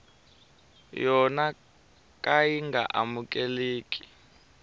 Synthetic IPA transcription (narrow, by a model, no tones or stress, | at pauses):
jɔna | kʼajiŋɡʱa̰ʔamuk̬ʼɛleːk̬ʼi̥